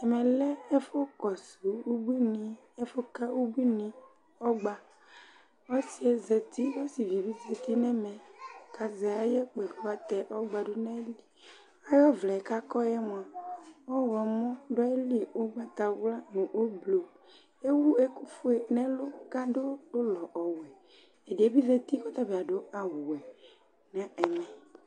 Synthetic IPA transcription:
ɛ˨mɛ̃˨lɛ˦e˦fo˦kɔ˨su˨wu˦bi˦nĩ˨˦ | e˦fo˦ka˦wu˦bi˦nĩ˨ | ɔ˦ɡ͡ba˨ | wo˦si˨e˨zɛ˨t̪i˦wo˦si˨vi˨bi˦ze˨t̪i˦nɛ˦mɛ̃˨ka˨zɛ˨a˨je˦k͡pe˨ɡo˦a˨t̪ɛ˨ʔɔ˦ɡ͡ba˨ɖo˦nɛ̃˦li˨ | a˦jɔ˦vlɛ˨e˨ka˦kɔ˦jɛ˦m̃˨ã˨wɔ˦wɛ˨mɔ̃˦ɖɔ˦e˦li˦o˦ɡ͡ba˨t̪a˨wla˦nũ˨ʔo˦blo˨ | e˦wu˦e˦ku˦fu˦e˨nɛ̃˦lo˦ka˦ɖo˦do˦lɔ˨ʔɔ˨wɛ˨ | e˨de˨e˦bi˦zɛ˨t̪i˦kɔ˦t̪a˦bi˨a˨ɖo˦a˨wu˨ɛ˨ | nã˦ɛ˨mɛ̃˨

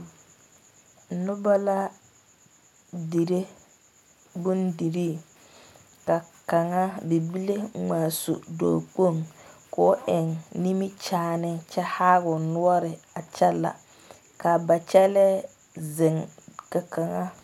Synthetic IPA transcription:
nʊ˦ba˦la˦ | di˨ɾe˦ | bʊ˦ndi˨ɾi˦˨ | ka˨ka˨ŋa˦bi˨bi˦le˦ŋaː˨sṵ˨do̰ː˨k͡po˦˨ŋko˦ʔɪ˨ŋni˦mi˦t͡ʃaː˦˨nɪ˦ŋt͡ʃɛ˦ha˦ɣʊ˨nʊ˦ɔ˦ɾɪ˨a˨t͡ʃɛ˦la̰˨ | ka˨ba˨t͡ʃɛ˦lɛ˦ | zɪ˨ŋka˨ka˨ŋa˦

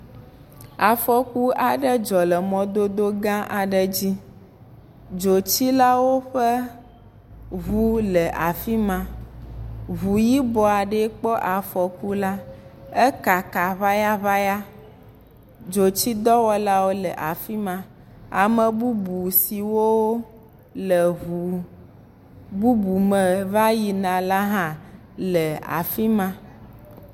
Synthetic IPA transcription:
a˨fɔ˨ku˦a˨ɖə˦d͡ʒɔ˨lɛ˨mɔ̃˦d̪o˦d̪o˦ɡã˦ʔa˨ɖɛ˦d͡ʑi˦ | d͡ʒo˨t͡ɕi˦la˦wo˦ɸɛ˦ | ɦu˦lɛ˨ʔa˨fi˦mã˨ | βu˨ji˦bɔ˨a˨ɖɛ˦k͡pɔ˦ʔa˨fɔ˨ku˦la˦ɛ˦ka˨ka˨βa˦ja˦βa˦ja˦ | d͡ʒo˨t͡ʃi˦d̪ɔ˦wɔ˦la˦wo˦lə˨ʔa˨fi˦mã˦ | a˨mə̃˨bu˦bu˨si˨wo˦wo˦ | lə˨u˨ | bu˦bu˨mə˨va˦ji˨nã˨la˦ɦã˦ | lə˨a̰˨fi˦mã˦

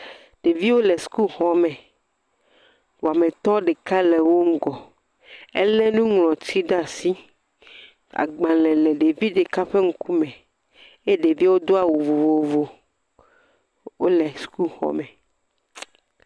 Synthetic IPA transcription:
ɖ̥e˨vi˦wo˦lɛ˨su̥˨˦ku˦lxɔ˦mɛ̃˨ | wo˨a˨mẽ˨t̪ɔ̃˦ɖe˨ka˦lɛ˨wo˦ŋ̩˦ɡɔ˨ | e˦lɛ˦nũ˦ŋlɔ̃˨t̪ʰi˦ɖa˦˨si˦ | a̰˨ɡ͡bã˨lɛ̃˨lɛ˨ɖe˨vi˦ɖe˨ka˦ɸe˦ŋ̩˦ku˦mɛ̃˨ | e˦ɖe˨vi˦wo˦d̪o˦a˨wo˨vo˨vo˨vo˨ | wo˦lɛ˨su̥˨˦ku˦lxɔ̰˨mɛ˨

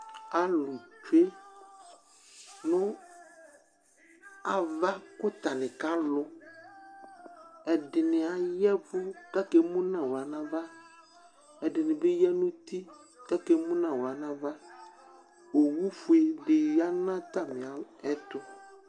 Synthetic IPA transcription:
a˦lʊ˨t͡ʃu˦e˦ | nʊ̃˦ | a˨va˦kʊ˦t̪a˨nɪ̃˨ka˦lʊ˦ | ɛ˨dɪ˨nɪ̃˨a˨jɛ˦vʊ˦ka˦ke˦mʊ̃˦nã˨wo˨a˨nã˦va˦ | ɛ˨dɪ˨nɪ̃˨be˦jɛ˦nʊ̃˦t̪i˦ | ka˦ke˨mũ˦nã˨wo˨a˨nã˦va˦ | o˨wu˦fu˨˦e˨dɪ˨ja˦nã˦t̪a˦mɪ̃˨a˨ɛ˦t̪ʊ˦

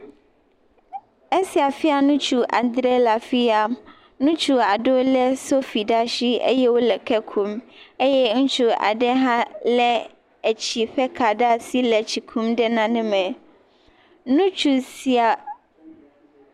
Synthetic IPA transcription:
ɛ˦si˨a˨fɪ˦a˨nʊ̃˦t͡ɕʰu˨ʔa̰˨d̪ɾɛ˦la˨fi˦a˨ | nʊ̃˦t͡ɕʰu˨a˨dʊ˦lɛ˦so˦fi˨da˦ɕi˦ɛ̰˦jɛ˦wo˦lɛ˨kʰɛ˦kʰũ˦mɛ˦jɛ˦n̩˦t͡ɕʰʊ˨a̰˨dɛ˦ɦã˦lɛ˦ | æ˨t͡ɕʰi˨ɸɛ˦kʰa˨da˦˨si˦lɛ˨t͡ɕʰi˨kʰũ˦mdɛ˦nã˨nɪ̃˦mɛ̃˨ | nʊ̃˦t͡ɕʰu˨si˨a˨

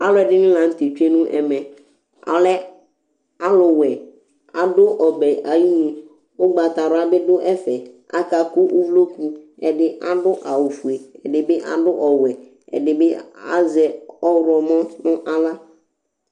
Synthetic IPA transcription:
a˦lʊ˨˦ɛ˨dɪ˦nɪ̃˦la˨n̩˦t̪e˨t͡ʃe˦nʊ̃˦ʔɛ˨mɛ̃˨ | a̰˨lɛ˦ | a˦lʊ˨wɛ˨ | a˨dʊ˦ʔɔ˨bɛ˨ʔa˨ji˦e˨ | ʊ˦ɡ͡ba˨t̪a˨ɾʊ˨˦a˦bɪ˦dʊ˦ʔɛ˦fɛ˨ | a̰˦ka˨kʊ˦ʔʊ˦vlo˦ku˦ɛ˨dɪ˦ʔa˦dʊ˦ʔa˨wʊ˨fu˨e˨ɛ˨dɪ˨bɪ˦ʔa̰˨dʊ˦ʔɔ˨wɛ˨ | ɛ̰˨dɪ˨bɪ˦a̰˦zɛ˨ɔ˦wɾʊ˨ɔ˨mɔ̃˦nʊ̃˦ʔa˨la˦

